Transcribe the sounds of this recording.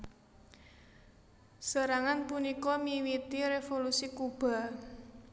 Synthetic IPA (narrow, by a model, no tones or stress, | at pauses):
səɾaŋanpunikɔmiwit̪iɾefolusikub̥a̤